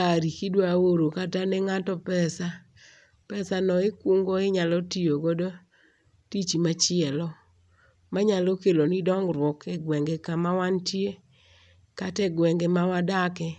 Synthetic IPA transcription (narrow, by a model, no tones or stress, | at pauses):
aɾikidwaoɾokatanɛŋatɔpɛsa | pɛsanɔɪkwuŋɡoɪɲalɔtioɡodo | tit͡ʃimat͡ʃɪɛlɔ | maɲalokelonidɔŋɡɾwɔkʰɛɡwɛŋɡekamawantje | katɛɡwɛŋɡemawadakɛ